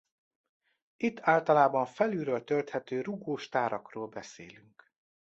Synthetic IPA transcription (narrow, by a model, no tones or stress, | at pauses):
it̪ːaːlt̪ɒlaːbɒnfɛlyːɾøːlt̪ølt̪hɛt̪øːɾuɡoːʃt̪aːɾɒkroːlbɛsḛːlyŋk